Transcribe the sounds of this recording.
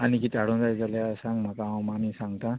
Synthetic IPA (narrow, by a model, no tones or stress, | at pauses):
ʌniɡit̪aɽũd͡zad͡zʌljasaŋmakaaw̃mamisaŋt̪a